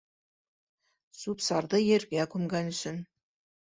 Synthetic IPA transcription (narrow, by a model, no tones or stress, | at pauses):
supsɑrd̪ɤjeɾɡʲækʉmɡʲænʏʃɘ̆n